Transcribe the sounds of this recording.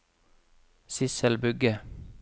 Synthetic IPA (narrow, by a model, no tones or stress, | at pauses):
sɪsəlbʉɡə